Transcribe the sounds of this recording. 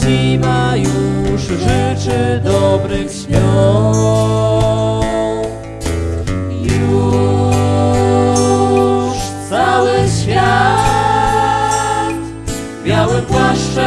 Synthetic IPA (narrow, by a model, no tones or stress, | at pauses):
imajuʂʐɪt͡ʂɘd̪ɔbɾɪxɕmʲɔ | ju | ʂt̪sawɘɕfʲja | t̪ | bʲjawɪpwaʂt͡ʂɛ